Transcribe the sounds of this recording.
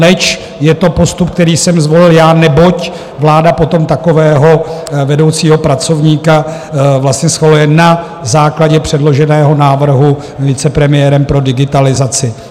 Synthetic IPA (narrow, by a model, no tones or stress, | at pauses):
lɛt͡ʃ | jɛt̪o̞po̞st̪upk̚t̪ɛɾiːsɛmzvo̞lɪljaːnɛbo̞c | vlaːdapo̞t̪o̞mt̪ako̞vɛːɦo̞vɛdo̞wt͡siːɦo̞pɾat͡so̞vɲiːkavlast̪ɲɛsxalujɛna | zaːklaɟɛpr̝̥ɛdlo̞ʒɛnɛːɦo̞naːvr̩ɦu | vɪt͡sɛpɾɛmɪjɛɾɛmpɾo̞dɪɡɪt̪alɪzat͡sɪ